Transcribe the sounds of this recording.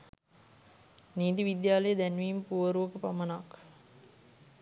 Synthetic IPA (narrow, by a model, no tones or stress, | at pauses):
niːt̪iʋid̪jaːləjəd̪ænʋiːmpuʋəɾuʋəkəpamənak